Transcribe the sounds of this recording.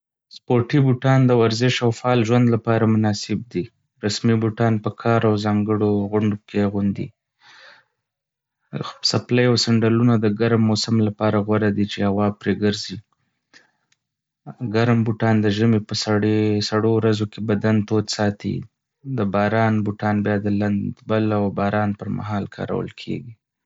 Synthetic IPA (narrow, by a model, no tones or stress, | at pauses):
spoʈibuʈɑnd̪əwaɾzɪʃawfɑːlʒwand̪lapɑɾamʊnɑsɪb̚d̪i | ɾasmibuʈɑnpəkʰɑɾawzɑŋɡəɽoɣʊɳɖokeɣund̪ḭ | sapləjawsaɳɖalunad̪əɡaɾmːosamlapɑɾaɣwaɾad̪it͡ʃehawɑpɾeɡəɾzi | ɡaɾmbuʈɑnd̪əʒəmepəsaɽesaɽowɾazokebad̪ant̪od̪sɑt̪ḭ | d̪əbɑɾɑnbuʈɑnbjɑd̪əland̪balawbɑɾɑnpəɾma̰ɦɑlkʰɑ̰ɾa̰wə̰lkʰḛɡi